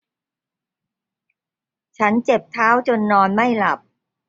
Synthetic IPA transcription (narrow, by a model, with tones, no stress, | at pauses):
t͡ɕʰa˦˥nt͡ɕe˨˩p̚t̪ʰaː˦˥wt͡ɕo˧nːɔː˧nma˥˩jla˨˩p̚